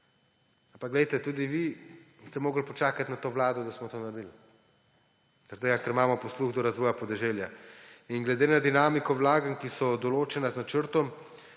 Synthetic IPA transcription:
ampakɡlɛjt̪ɛt̪uːd̪iʋi | st̪ɛmoːɡl̩pɔt͡ʃaːkat̪ʲnat̪oːʋlaːd̪ɔd̪asmɔt̪oːnaɾd̪il | zaɾd̪eɡakɛɾimaːmɔpɔsluɣd̪ɔɾazʋɔːjapɔd̪ɛʒeljainɡlɛd̪eːnad̪inaːmikɔʋlaːɡaŋkisɔd̪ɔloːt͡ʃɛnaznat͡ʃəɾt̪ɔm

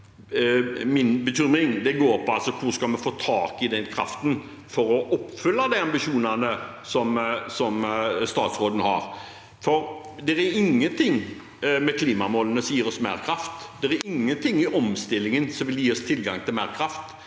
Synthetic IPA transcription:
mɪnbəɕʏmɪŋd̪ɛɡoːɾpʰɔɑlsɔkʰʊskɑlmɛfoːt̪ʰɑːkɪd̪ɛnkʰɾɑ̰ft̪ən | fɔɾɔʔɔpːfʉlːəd̪æɪɑmbɪʃuːnənə | sɔmsɔmst̪ɑ̰ːt̪sʁoːd̪ən̩hɑ̰ɾ | fɔɾ | d̪ɛɾɛɾɪŋːənt̪ʰɪŋː | mɛkʰliːmɑmoːlənəsjiːɾɔsmæ̰ːɾkʰɾɑft̪d̪ɛɾɛɾɪŋːənt̪ʰɪŋːɪʔɔmst̪ɪlːɪŋənsɔmʋɪljiːɔst̪ʰɪlɡɑŋt̪ɪlmæːɾkʰɾɑft̪

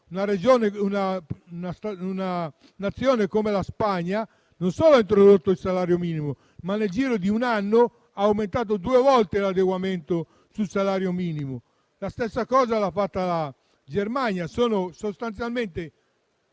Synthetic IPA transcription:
unaɾed͡ʒɔːneunanast̪auna | nat̪sːjɔːnekomelaspaɲːa | nonsɔːloaint̪ɾod̪ot̪ːoilsalaːɾjomiːnimo | manːeld͡ʒiːɾod̪iunanːo | aːwment̪aːt̪̬od̪uːevɔlt̪elad̪eɡwament̪o | sulsalaːɾjomiːnimo | last̪ɛsːakɔːzalafːat̪ːala | d͡ʒermaɲjasɔːnosost̪ant̪sjalment̪e

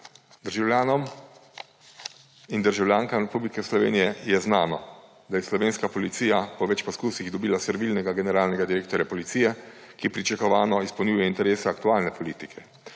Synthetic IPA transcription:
d̪əɾʒawljaːnɔm | ind̪əɾʒawlʲjaːŋkamɾɛpublikɛslɔʋḛːnijɛjɛznaːnɔ | d̪ajɛslɔʋeːnskapɔlit̪siːjapɔʋɛt͡ʃpɔskuːsiɣd̪ɔbiːlasɛɾʋiːlnɛɡaɡɛnɛɾaːlnɛɡad̪iɾeːkt̪ɔɾjapɔlit̪siːjɛ | kipɾit͡ʃakɔʋaːnɔispɐwnʲjuːjɛint̪ɛɾeːsaːkt̪uaːlnɛpʰɔliːt̪ikʰɛ

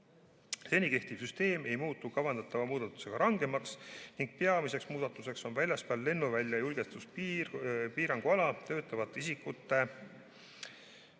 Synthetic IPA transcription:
se̞nike̞ht̪iv̥syst̪e̞ːme̞jmuːt̪ˑːukɑvɑnd̪ɑt̪ːˑɑvɑmuːd̪̥ɑt̪ːˑu̥se̞ɡ̥ɑɾɑŋɡemɑksniŋɡ̥̚peɑmise̞ksmuːd̪̥ɑt̪ːˑuse̞kso̞nvælʲjɑspæːlːe̞nːuvælʲjɑjulɡ̥est̪usp | piːɾɑŋɡ̥uɑlɑt̪ø̞ːt̪ˑːɑvɑt̪ːˑisikːut̪ːˑe̞

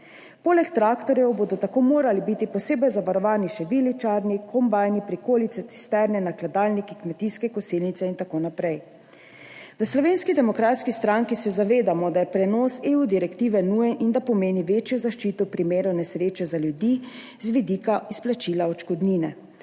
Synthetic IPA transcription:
poːlɛkt̪ɾaːkt̪ɔɾjɛwboːd̪ɔt̪akoːmoːɾalibit̪ipɔseːbɛjzaʋaɾɔʋaːniʃɛʋilit͡ʃaɾnikʰɔmbajnipɾikoːlit̪sɛt̪si̥st̪ɛɾnɛnaklad̪aːlnikikmɛt̪iskɛkɔsilnit̪sɛint̪akoːnapɾɛj | ʋəslɔʋeːnskid̪ɛmɔkɾaːt̪skist̪ɾaŋkisɛzaʋeːd̪amɔd̪ajɛpɾɛnɔːseud̪iɾɛkt̪iːʋɛnuːjɛnʔind̪apɔmeːniʋeːt͡ʃjɔzaʃt͡ʃit̪ɔwpɾimeːɾɔnɛsɾeːt͡ʃɛzaljud̪i | zʋid̪ikaisplat͡ʃiːlaɔt͡ʃkɔd̪niːnɛ̰

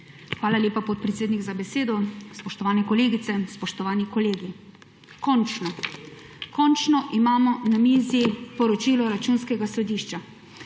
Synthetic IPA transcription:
xʋaːlaljeːpapɔt̪̚pɾɛt̪seːd̪niɡzabɛseːd̪ɔspɔʃt̪ɔʋaːnɛkɔleːɡit̪sɛspɔʃt̪ɔʋaːnikɔleːɡi | kɔnt͡ʃnɔ | kɔnt͡ʃnɔʔimaːmɔnamiːzipɔɾɔt͡ʃiːlɔɾat͡ʃuːnskɛɡasɔd̪iːʃt͡ʃa

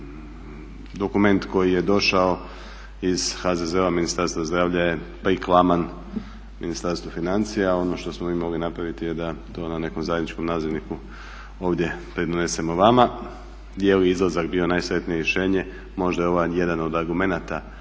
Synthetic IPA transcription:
d̪o̞kume̞nt̪ko̞jije̞d̪o̞ʃao̞ | iz̥xazezeaminist̪aɾst̪ʋazd̪ɾaːʋʎajepaiklˠaman | minist̪aɾst̪ʋofinant̪sijao̞no̞ʃt̪o̞smo̞miːmo̞ɡlinapɾaʋit̪ijed̪at̪o̞ːnane̞ko̞mzajed̪nit͡ʃko̞mnaːziʋniku | o̞ːʋd̪ʲje̞pɾed̪onese̞mo̞ʋama | jeljeizlˠazakbio̞naːjsɾe̞t̪nijeɾjeʃe̞ːɲe̞ | mo̞ʒd̪ajeo̞ʋaje̞d̪ano̞d̪aɾɡume̞nat̪a

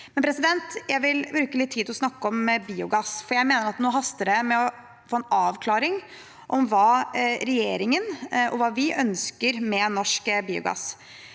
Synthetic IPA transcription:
mɛnpʰɾɛsɪd̪ɛnt̪jæɪʋɪlbɾʉːkəlɪt̪ʰːiːd̪ɔsnɑkːɔmbiːʊɡɑsfɔɾjæɪmeːnəɾɑt̪noːɦɑst̪əd̪ɛmɛɔ | foːɛnɑːʋkʰlɑːɾɪŋ | ʔɔmʋɑːɾɛjeːɾɪŋənʔɔ̰ʋɑːʋɪʔœnskəɾmɛnɔʂkbiːʊ̰ɡɑ̰s

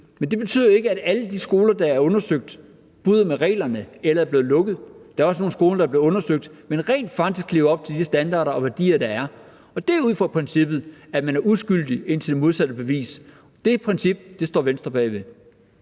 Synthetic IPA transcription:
mend̥e̝b̥e̝t͡sʰy̰ð̞̰ˠɐe̝ɡəæɾ̥æləd̥isɡ̥o̝ːlɐd̥ɑ̈æɐɔ̽nɐsøɡ̥̚d̥ | b̥uð̞ˠɐmeʁɛ̰ːlɐnəelɐæɐb̥e̝ːð̩ˠlɔ̽ɡ̥ð̩ˠd̥ɑ̈ɐɒsəno̝ːn̩sɡ̥o̝ːlɐd̥ɑ̈ɐb̥le̝ɔ̽nɐsøɡ̥̚d̥menʁɛ̰ːnd̥fɑ̈ɡ̥d̥isɡ̥ʰle̝ːʊɐɒ̽b̥̚t͡sʰe̝d̥isəsd̥ænd̥ɑ̰̈ːɾɐɒ̽ʋæɐd̥ḭːɐd̥ɑ̈æɐ | ɒ̽d̥æɐuð̞̰ˠfɒpʰʁɛnsib̥ð̞̩ˠæ̥mænæɐʔusɡ̥yl̰d̥ie̝n̰t͡sʰe̝d̥e̝mo̝ð̞ˠsæd̥əb̥e̝ʋḭːs | d̥e̝pʰʁɛnsib̥d̥e̝sd̥ɒ̰ːʋensd̥ʁɐb̥ɛ̰ːʋe̝

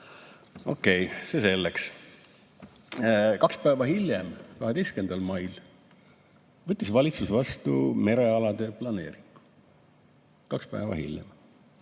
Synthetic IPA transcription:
o̞̰kːˑe̞jsese̞lːeks | kɑkspæːvɑɦilʲjemkɑɦe̞d̪e̞jske̞nd̪ɑlmɑjl | vɤt̪ʲːisvɑlʲit̪susvɑst̪ṵme̞ɾe̞ɑlɑd̪̥e̞plɑne̞ːɾiŋɡ̥u̥ | kɑkspæ̰evɑ̰hḭlʲjḛm

